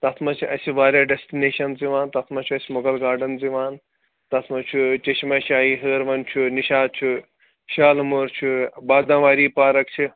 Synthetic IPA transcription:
t̪ɐt̪ʰmɐt͡ʃʰiʔɐsiʋaːɾjaːɖesʈineːʃɐnziʋaːnt̪ɐt̪ʰmɐt͡ʃʰuɐsʲimoɡɐlɡaːɾɖɐnziʋaːn | t̪ɐt̪ʰmɐt͡ʃʰut͡ʃeʃmɐʃaːɦiɦəːɾʋɐnt͡ʃʰuniʃaːd̪̚t͡ʃʰu | ʃaːlmoːɾt͡ʃʰubaːd̪ãːʋaːɾiːpaːɾɐk̚t͡ʃʰi

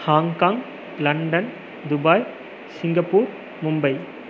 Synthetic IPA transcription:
haːŋkaːŋ | lɐɳɖɐn | d̪ʊbaːj | sɪŋɡɐpːuːɾ | mʊmbɐɪ

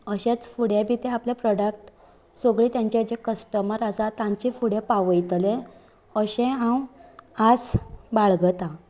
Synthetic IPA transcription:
əɕẽt͡sfuɽjebʱit̪ẽaplepɾɔɽək̚ʈ | soɡɭiːt̪jaɲt͡ɕead͡ʑekəsʈəməɾasat̪ãɲt͡ɕifuɽjepaʋəjt̪lẽ | əɕẽɦãwasbaɭɡət̪ã

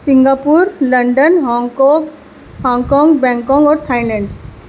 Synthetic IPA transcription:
sɪ̃ŋɡapuɾlɐ̃ɳɖənɦɔ̃ːŋɡkɔ̃ːɡ | hɔ̃ːŋɡkɔ̃ːŋɡbɛ̃ːŋkɔ̃ːŋɡɔːɾt̪ʰaːilɛ̃ːɳɖ

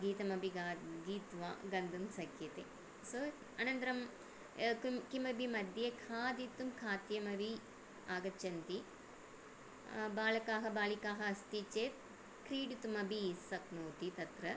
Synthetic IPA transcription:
ɡiːt̪ɐmɐbiɡaɡiːt̪ʋa̰ːɡɐnd̪ɐmsɐkʰjɐt̪e | so | ɐnɐnt̪ɾɐm | kumkimɐbʱimɐd̪jɐkʰaːd̪it̪ːumkʰaːt̪jɐmɐʋi | aːɡɐt͡ʃːɐnt̪i | baːlɐkaːɦɐbaːlikaːɦɐɐst̪it͡ʃeːt̪̚ | kɾiːɽit̪umɐbisɐknoːt̪it̪ɐt̪ɾɐ

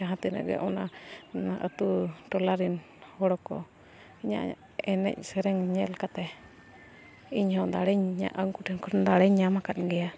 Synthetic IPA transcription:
aɦãt̪inə̰ʔɡɛ̰ʔɔna | ʔə̰t̪uʈɔlaɾin | hɔɽɔkɔ̰ | iɲa̰ | ɛnɛ̰c̚sɛɾɛŋɲɛlkat̪ɛ | iɲhɔ̃d̪aɽɛɲɲa̰ʔəŋkuʈɛnkɔɾnd̪aɽɛɲamakat̪̚ɡɛja

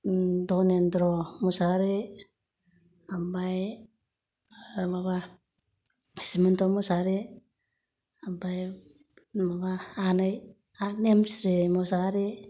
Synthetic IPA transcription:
dounendɾomosaɾe | abaj | maβa | isimantomosaɾe | abaj | maβaːnaj | anemsɾemosaɾe

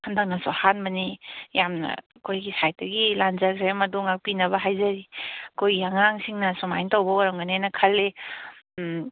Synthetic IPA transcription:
handɐk̚nɐsohanbɐnijamnɐ̰ | kojɡisajt̚dɐɡilanzaɡɾemɐduŋapinɐbɐɦajzɐɾikʰojɡiaŋaŋsiŋnɐsomajntawbɐwaɾaŋɡanenɐkʰɐlːe

